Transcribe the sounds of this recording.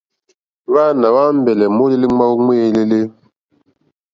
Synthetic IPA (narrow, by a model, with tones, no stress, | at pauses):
wa˦˨na˨wa˦m̩˦bɛ˨lɛ˨mo˦le˦le˦ŋ͡ma˦wu˦ŋe˦˨˦le˦le˦